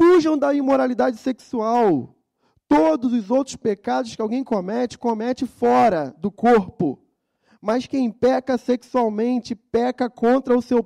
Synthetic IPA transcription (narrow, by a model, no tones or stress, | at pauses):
fuʒɐ̃w̃d̪ɐimoɾalid̪ad͡ʒɪseksuaw | t̪od̪ʊzʊzowt̪ɾʊspekad̪ʊskɪawɡẽj̃komɛt͡ʃɪ̥komɛt͡ʃɪfɔɾɐd̪ʊkoɾpʊ | mɐskẽj̃pɛkɐseksuawmẽnt͡ʃɪpɛkɐkõnt̪ɾɐʊsew